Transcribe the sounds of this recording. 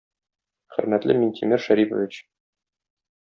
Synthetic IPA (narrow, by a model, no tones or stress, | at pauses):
χɘ̰̆ɾmæt̪lɘminʲt̪ʰʲimʲiɾʃæɾipŏ̰vʲit͡ɕ